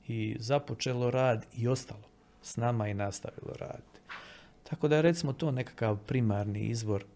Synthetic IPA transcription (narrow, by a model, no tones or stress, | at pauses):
izapo̞t͡ʃelo̞ɾaːd̪io̞st̪alˠo̞ | snamainast̪a̰ʋḭlo̰ɾa̰ːd̪i̥t̪i̥t̪ʰako̞d̪aeɾe̞t̪simot̪o̞ːne̞kḁkaʋpɾimaɾnḭḭzʋo̞ɾ